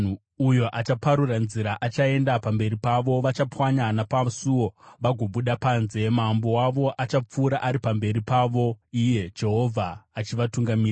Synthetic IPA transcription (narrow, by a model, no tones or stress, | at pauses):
u | ujo̞ʔat͡ʃapaɾuranziɾaʔat͡ʃae̞ndapambe̞ɾipaʋo̞ʋat͡ʃapwaɲanapasuwoʋaɡʱo̞ɓuɗapaːnze̞mambo̞waʋo̞ʔat͡ʃap͡fuːɾaʔaɾipambe̞ɾipaʋo̞ije̞d͡ʒe̞ɦo̞vʱaːt͡ʃiʋatuŋɡamiːra